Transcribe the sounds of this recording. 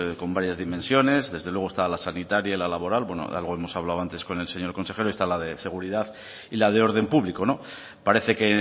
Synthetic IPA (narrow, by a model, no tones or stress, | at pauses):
ko̞mbaɾjazðimẽnsjo̞ne̞zðe̞zðeweost̪alasanit̪aɾjailalaβo̞ɾalbwe̞no̰a̰lɣ̞oe̞mo̞saβlawant̪e̞sko̞ne̞lse̞ɲo̞ɾko̞nse̞xe̞ɾoest̪alaðe̞se̞ɣ̞uɾiðaθ | ilað̞e̞o̞ɾð̞e̞mpuβliko̞no̞ | paɾe̞θe̞ke̞